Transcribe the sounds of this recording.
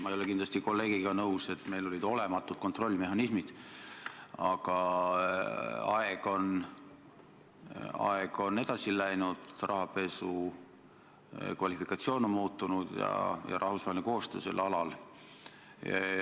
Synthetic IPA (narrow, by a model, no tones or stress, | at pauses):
mɑejole̞kind̪lɑst̪iko̞lːe̞ːɡ̥iɡ̥ɑnɤuse̞t̪me̞jlo̞lʲid̪̥o̞le̞mɑt̪ːˑult̪ko̞nt̪ro̞lʲːime̞ɦɑnismid̪̥ | ɑɡ̥ɑ | ɑeɡ̥o̞n | ɑ̰eɡ̥o̞ne̞d̪̥ɑsilæjnud̪̥rʔɑɦɑpe̞su | kvɑlʲifikˑɑt̪sio̞ːnommuːt̪ːˑunud̪̥jɑ̰jɑ̰ɾʔɑhvusvɑhelnko̞ːst̪øːse̞̰lːɑlɑl